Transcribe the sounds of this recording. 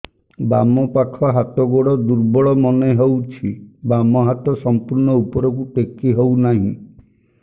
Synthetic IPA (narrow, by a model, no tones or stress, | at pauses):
bamɔpakʰɔɦat̪ɔɡoɽɔd̪uɾbɔɭɔmɔneɦewt͡ʃʰibamɔɦat̪ɔsɔmpuɾnɔupɔɾɔkuʈekiɦownaɦḭ̃